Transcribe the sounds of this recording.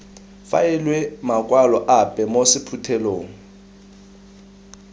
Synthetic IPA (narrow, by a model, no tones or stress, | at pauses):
fa̰jɛlwɛmakʼwalɔʔapʼɛmosɪpʰutʰɛloːŋ̩